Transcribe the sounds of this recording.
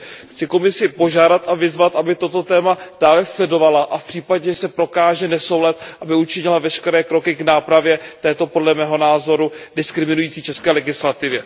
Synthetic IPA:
xt͡sɪko̞mɪsɪpo̞ʒaːdat̪ʔavɪzvat̪ʔabɪt̪o̞t̪o̞t̪ɛːmad̥aːlɛslɛdo̞valaʔafpr̥iːpadɲɛsɛpɾo̞kaːʒɛnɛsowlat̪ʔabɪut͡ʃɪɲɪlavɛʃkɛɾɛːkɾo̞kɪɡnaːpɾavjɛt̪ɛːt̪o̞po̞dlɛmɛːɦonaːzo̞ɾudɪskɾɪmɪnujiːt͡siːt͡ʃɛskɛːlɛɡɪslat̪ɪvjɛ

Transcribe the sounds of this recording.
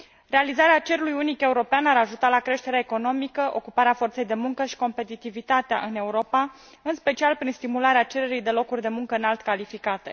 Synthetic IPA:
ɾe̞alizaɾeat͡ʃe̞ɾulujunike̞uɾo̞peanaɾaʒut̪alakɾe̞ʃt̪e̞ɾaeko̞no̞mikəʔo̞̰kupaɾeafo̞rt̪se̞jd̪e̞muŋkəʃi̥ko̞mpe̞t̪it̪ivit̪at̪ea̰ʔɨne̞uɾo̞pa | ɨnspe̞t͡ʃialpɾinst̪imulaɾeat͡ʃe̞ɾe̞ɾijd̪e̞lo̞kurʲd̪e̞muŋkəɨnalt̪kalifikat̪e̞̰

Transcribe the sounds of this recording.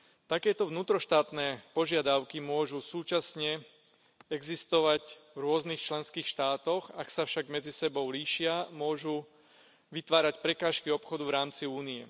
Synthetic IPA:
t̪akɛːt̪ɔʋnuːt̪ɾɔʃt̪aːt̪nɛːpɔʒɪad̪aʊkimʊɔʒusuːt͡ʃasɲɛ | ɛɡzist̪ɔʋacvɾʊɔznixt͡ʃlɛnskiːxʃt̪aːt̪ɔxaksafʃaɡmɛd͡zisɛbɔʊliːʃɪamʊɔʒu | ʋit̪ʋaːɾacpɾɛkaːʃkiɔpxɔd̪uvɾaːmt͡siuːniɛ

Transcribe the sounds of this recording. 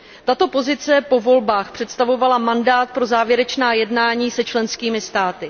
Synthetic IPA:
t̪at̪o̞po̞zɪt͡sɛpo̞vo̞lbaːxpr̝̥ɛt̪st̪avo̞valamandaːt̪̚pɾo̞zaːvjɛɾɛt͡ʃnaːjɛdnaːɲiːsɛt͡ʃlɛnskiːmɪst̪aːt̪ɪ

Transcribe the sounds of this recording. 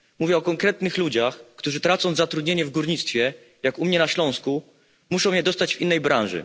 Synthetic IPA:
muvʲjɛɔkɔŋkɾɛt̪nɘxlud͡ʑaxkt̪uʐɘt̪ɾat̪sɔw̃zat̪ɾud̪ʲɲeɲɛvɡuɾɲit̪st̪fʲjɛ | jakumɲɛnaɕlɔ̃w̃sku | muʂɔwmɲjɛd̪ɔst̪ad͡ʑvʲinːɛjbɾʔãñʐɘ̰

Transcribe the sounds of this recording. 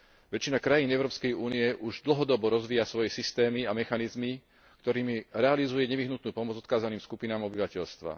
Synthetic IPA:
ʋɛt͡ʃːinakɾajiːnɛʊɾɔːpskɛjuːniɛʔuʒd̪l̩ɦɔd̪ɔbɔɾɔzʋiːjasʋɔjɛsist̪ɛːmiamɛxanizmi | kt̪ɔɾiːmiɾɛalizujɛɲɛʋiɦnut̪nuːpɔmɔd͡zɔt̪kaːzaniːmskupinaːmɔbiʋacɛʎst̪ʋa̰

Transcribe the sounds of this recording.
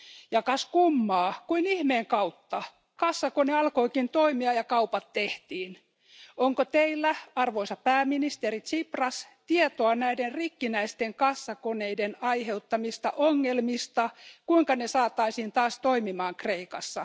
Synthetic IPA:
jɑkɑskumːɑːkuinihmeːŋkɑut̪ːɑ | kɑsːɑkoneɑlkoikint̪oimiɑjɑkɑupɑt̪ːeht̪iːn | oŋkot̪eilːæɑrʋoisɑpæːminist̪eɾit̪siprɑst̪iet̪oɑnæiderrikːinæist̪eŋkɑsːɑkoneidenɑihe̞ut̪ːɑmist̪ɑ̰ʔoŋːelmist̪ɑkuiŋkɑnesɑːt̪ɑisiːnt̪ɑːst̪oimimɑːŋkreikɑsːɑ

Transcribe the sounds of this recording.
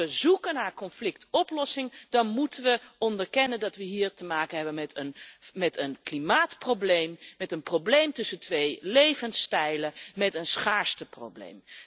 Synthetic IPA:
əzukənaːɹkɔnflɪk̚tɔplɔsɪŋd̥ɑnmutənʋəɔndəɹkɛnəndɑtʋəɦiːɹtəmaːkənɦɛbənmɛtʰənmɛtənklimaːtprowblejmmɛtənproblejmtɵsəntʋejlejvənstɛjləmɛtənsχaːɹstəpro̰wblḛjm

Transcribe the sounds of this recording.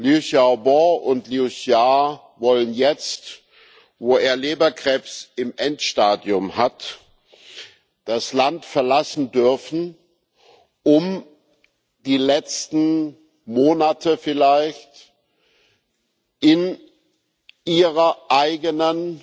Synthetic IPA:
liusjabɔʊntliusja | vɔlənjɛt͡st | voːeːɐleːbɐkʁ̥ɛːpsɪmʔɛntʃtaːdjʊmhat | d̥aslantfɛɐlasn̩dʏɐfn̩ | ʔʊm | d̥iːlɛt͡stn̩ | moːnatʰəfɪlaɪçt | ʔɪn | ʔiːʁɐʔaɪɡənən

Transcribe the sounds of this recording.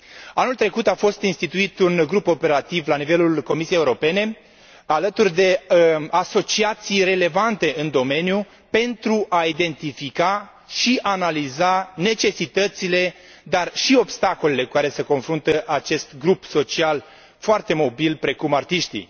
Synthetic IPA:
anult̪ɾe̞kut̪afo̞st̪inst̪it̪uit̪unɡɾupo̞pe̞ɾat̪ivlanivelulko̞misiejeuɾo̞pe̞ne̞ | alət̪urʲd̪e̞aso̞t͡ʃiat̪sijre̞le̞vant̪e̞ɨnd̪o̞me̞nju | pe̞nt̪ɾuʔaid̪e̞nt̪ifika | ʃiʔanalizane̞t͡ʃe̞sit̪ət̪sile̞ | d̪arʃio̞bst̪ako̞lele̞kukaɾe̞se̞ko̞nfɾunt̪əʔat͡ʃe̞st̪ɡɾupso̞t͡ʃial | foart̪e̞mo̞bilpɾe̞kumart̪iʃt̪ḭ

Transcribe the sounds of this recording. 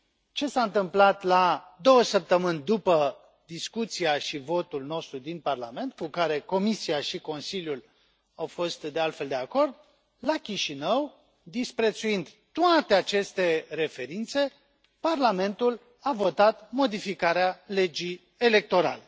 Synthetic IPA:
t͡ʃe̞saɨnt̪ɨmplat̪la | d̪o̞wəsəp̚t̪əmɨnʲd̪upə | d̪iskut̪siaʃivo̞t̪ulno̞st̪ɾud̪inparlame̞nt̪̚kukaɾe̞ko̞misiaʃiko̞nsilʲjul | awfo̞st̪d̪e̞alt̪fe̞ld̪e̞ako̞rd̪̚ | lakʲiʃinəw | d̪ispɾe̞t̪suind̪ | t̪ːoat̪e̞at͡ʃe̞st̪e̞ɾe̞fe̞ɾint̪se̞ | parlame̞nt̪ul | avo̞t̪at̪mo̞d̪ifikaɾeale̞d͡ʒi | e̞le̞k̚t̪o̞ɾa̰le̞

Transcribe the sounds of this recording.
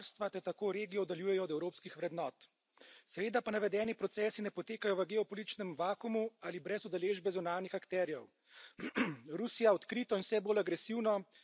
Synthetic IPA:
ɾst̪ʋat̪ɛɾt̪akoːɾeːɡijɔd̪aljuːjɛjɔːd̪ɛwɾoːpskixʋɾɛd̪nɔːt̪ | sɛʋeːd̪apanaʋɛd̪ɛːnipɾɔt̪sɛːsinɛpɔt̪eːkajɔʋəɡɛɔpɔlit̪it͡ʃnɛmʋaːkumualibɾɛzud̪aleːʒbɛzunaːnixakt̪ɛːɾijɛw | ɾusijaɔt̪kɾiːt̪ɔinsɛboːlaɡɾɛsiwnɔ

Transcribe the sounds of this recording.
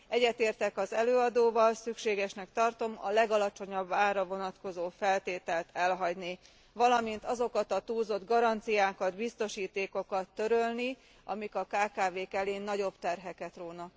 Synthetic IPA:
ɛɟːɛt̪eːrt̪ɛkɒzɛløːɒd̪oːvɒlsykʃeːɡɛʃnɛkt̪ɒrt̪o̞mɒ̰lɛɡɒlɒt͡ʃo̞ɲɒbːaːrːɒvo̞nɒt̪ko̞zoːfɛlt̪eːt̪ɛlt̪ʰɛlɦɒɟni | vɒlɒmint̪ɒzo̞kɒt̪ɒt̪uːzo̞d̪ɡɒɾɒnt̪sijaːkɒd̪bist̪o̞ʃiːt̪eːko̞kɒt̪ːø̞ɾølni | ʔɒmikɒkaːkaːveːkɛleːnːɒɟo̞bt̪ɛrɦɛkɛt̪roːnɒ

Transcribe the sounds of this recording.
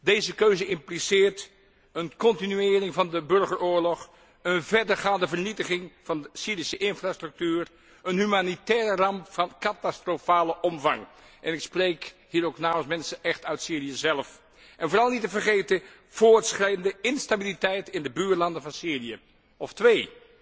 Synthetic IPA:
dejzəkøɥzəɪmplisɪːɹt | ənkɔntinyɪːrɪŋvɑndəbɵɹχəɹʊːɹlɔχ | ənvɛɹdəɹχaːndəvəɹnitəχɪŋv̥ɑnəsiːɾisəʔɪnfraːstrɵk̚tyːr | ənɦymanitɛːrərɑmpvɑnkatastrofaːləʔɔmvɑ̰ŋʔɛnɪksprejkhiːɾowknaːməlsmɛnsəʔɛχtœɥtsiːrijəzɛlf | ʔɛnvoːrɑlˠnitəvəɹχejtə | v̥oːɹtsχrɛjəndəɪnstabilitɛjtɪndəbyːɹlɑndənvɑnsiːrijə | ɔftʋej

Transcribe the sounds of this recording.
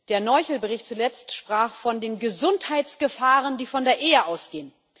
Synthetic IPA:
d̥eːɐnɔʏçl̩bəʁɪçtt͡sulɛt͡stʃpʁ̥aːχfɔndeːnɡəzʊnthaɪt͡sɡ̥əfaːʁəndiːfɔndeːɐʔeːəʔaʊsɡ̥eːən

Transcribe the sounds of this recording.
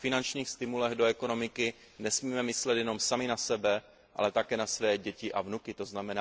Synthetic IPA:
fɪnant͡ʃɲiːxst̪ɪmulɛɣdoɛko̞no̞mɪkɪ | nɛsmiːmɛmɪslɛt̪jɛno̞msamɪnasɛbɛ | ʔa̰lɛt̪akɛːnasvɛːɟɛcɪʔavnukɪt̪o̞znamɛnaː

